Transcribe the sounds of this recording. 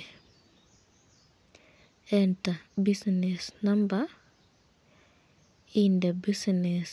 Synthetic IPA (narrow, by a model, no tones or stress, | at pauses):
ɛntabisnisnamba | indebisnes